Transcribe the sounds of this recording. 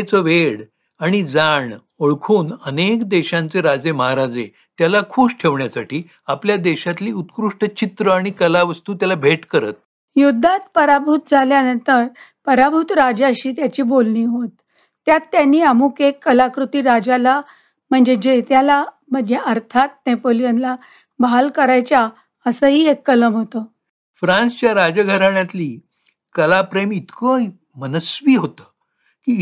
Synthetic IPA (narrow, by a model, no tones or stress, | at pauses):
et͡səʋeɽ | aɽ̃id͡zaɳ | oɭkʰuːnənekd̪eɕant͡seɾad͡zeməɦaɾad͡ze | t̪jalakʰuːɕʈʰeʋɳjasaʈiː | apljad̪eɕat̪liːut̪kɾuʂʈət͡ɕit̪ɾəaɽ̃ikəlaʋəst̪uːt̪jalabʱeʈkəɾə̰t̪̚ | jud̪ʱːat̪pəɾabʱut̪̚d͡zʱaljanənt̪əɾpəɾabʱut̪ɾad͡zaəɕiːt̪jat͡ɕiːbolniːɦot̪ː | jat̪ːjanːiːamuːkekːəlakɾut̪iːɾad͡ʑala | m̤əɳd͡zed͡ʑet̪jala | m̤əɳd͡zeəɾt̪ʰat̪̚nepolijanla | balkəɾajt͡ɕja | əsəɦiːekːələmɦot̪ə | fɾãnsət͡ɕjaɾad͡zəɡʱəɾaɳjat̪liː | kəlapɾemit̪ko | mənəsʋiːɦot̪əː | kiː